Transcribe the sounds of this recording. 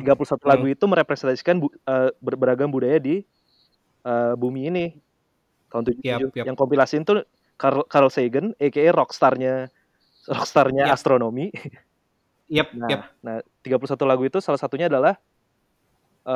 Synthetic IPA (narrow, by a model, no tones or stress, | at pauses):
t̪iɡapulusat̪ulaɡuit̪uməɾepɾɛsɛnt̪asi̥kanbuəbəbəɾaɡaŋbudajadi | ʔəːbumiːnɪ | t̪aunt̪ud͡ʒ̪ud͡ʒʊjaŋkɔmpilasint̪u | kakaɾɔlseɡənekeɛrɔkst̪arɲa | rɔkst̪arɲaast̪ɾonomi | nanaht̪iɡapulusat̪ulaɡuit̪usalasat̪uɲaːdalah | ʔə